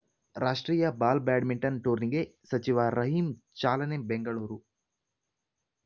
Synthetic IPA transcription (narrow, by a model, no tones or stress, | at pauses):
ɾaːʂʈɾiːjɐbaːlbaːɖmiɳʈɐnʈuːɾniɡesɐt͡ʃiʋaɾɐɦimt͡ʃaːlɐnebeŋɡɐɭuːɾu